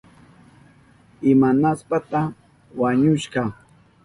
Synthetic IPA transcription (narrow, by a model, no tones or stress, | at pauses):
ɪmanaspat̪a | waɲʊʃɢɑ